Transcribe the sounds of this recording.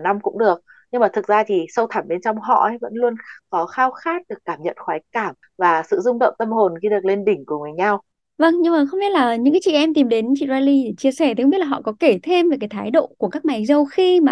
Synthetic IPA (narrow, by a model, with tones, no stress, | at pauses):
na˧mkʊ̰˧˥ŋ͡mɗɨ˨˩ək̚ | ɲɨ˧ŋmaː˨˩t̪ʰɨ˨˩k̚zaː˧t̪ʰi˨˩sə˧wt̪ʰa˧˩ɓe˧nt͡ɕɔ˧wŋ͡mɦɔ̰˧˥˨və̰˧˥nlu˧ənkɔ˨˦xaː˧wxaː˦˥t̚ɗɨ˨˩əkːaː˧˩mɲə̰˧˨nxwaː˨˦jkaː˧˩m | ɲvaː˨˩sɨ̰˧˨zʊ˧ŋ͡mɗə̰˧˨wŋ͡mt̪ə˧mɦo˨˩nɣi˧ɗɨ˨˩ək̚le˧nɗï˧˩ŋ̟ku˧˩əŋɨ˨˩əjɲa˧w | və˧ŋɲɨ˧ŋmaː˨˩xə˧wŋ͡mɓi˦˥t̚laː˨˩ɲɨ̰˧˥ŋka˨˦t͡ɕḭ˧˨ʔɛ˧mt̪i˨˩mɗe˨˦nt͡ɕḭ˧˨zaː˧li˧ɗe˧˩t͡ɕi˧əsɛ˧˩t̪i˨˩˦xŋ͡mi˦˥tla˨ɔ̰˧˨kɔ˨˦ke˧˩t̪ʰe˧mve˨˩kaː˨˦jt̪ʰaː˨˦jɗo̰˧˨ku˧˩əkaː˦˥k̚ma˨˦jzə˧wxi˧maː˨˩